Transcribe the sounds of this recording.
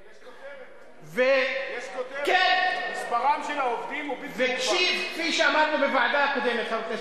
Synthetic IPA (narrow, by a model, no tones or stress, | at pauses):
ve | kenmispaʁamʃelaovd̪imuvekʃitkfiʃeamad̪nubevaʕad̪aakod̪emet̪χake